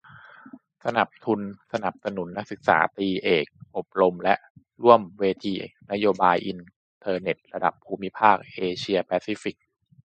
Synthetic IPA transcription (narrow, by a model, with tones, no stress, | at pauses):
sa˧na˨˩p̚t̪ʰu˧nsa˧na˨˩p̚sa˧nu˨˩˦nːa˦˥k̚sɯ˨˩k̚sa̰ː˩˦t̪iː˧ʔeː˨˩k̚ʔo˨˩p̚ɾo˧mlɛ˦˥ʔ | ɾu˥˩əmweː˧t̪ʰiː˧na˦˥joː˧baː˧jʔi˧n | t̪ʰɤː˧ne˨˩t̪̚ɾa˧da̰˨˩pʰːuː˧mi˦˥pʰaː˥˩k̚ʔeː˧t͡ɕʰi˧ɐpɛː˧˥si˦˥fi˨˩k̚